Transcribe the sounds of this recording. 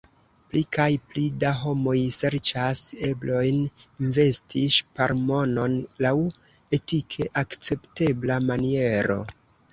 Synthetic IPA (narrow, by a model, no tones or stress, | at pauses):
plikʰajplidaɦo̞mo̞jse̞ɾt͡ʃase̞blo̞jninve̞stiʃpaɾmo̞no̞nlaw | e̞tikʰe̞ʔakt͡se̞pte̞blamanie̞ɾo̞̰